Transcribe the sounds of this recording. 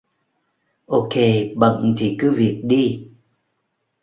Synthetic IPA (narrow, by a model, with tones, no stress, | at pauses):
ʔo˧ke˧ɓə̰˧˨ŋt̪ʰi˨˩kɨ˨˦vi˨˩ək̚ɗi˧